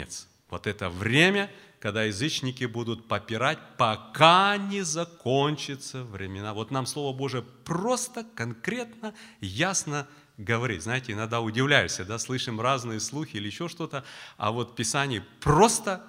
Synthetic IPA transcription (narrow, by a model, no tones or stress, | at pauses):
ḛt̪s | vo̞t̪ɛt̪əvɾʲemʲə | kɐɡd̪ajɪzɨt͡ɕnʲɪkʲɪbud̪ʊt̪̚pəpʲɪɾatʲpɐkanʲɪzɐko̞nʲt͡ɕɪt̪səvɾʲɪmʲɪnavo̞t̪namslˠo̞vəbo̞ʐɨjəpro̞st̪əkɐnkɾʲe̞t̪nəjasnə | ɡəvɐɾʲḭtʲznajɪtʲɪɪnɐɡ̚d̪aʊdʲɪvlʲæjʊsʲəd̪aslˠɨʂɨmraznɨjəslˠuxʲɪilʲɪɪɕːo̞ʂt̪o̞t̪əɐ̰vo̞t̪pʲɪsanʲɪjəpro̞st̪ə